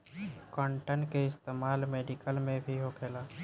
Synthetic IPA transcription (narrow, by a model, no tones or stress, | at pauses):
kɔ̃ːɳʈəɳʈkeɪst̪eːmaːlmeːɖikəlmẽbʱiɦokʰeːlaː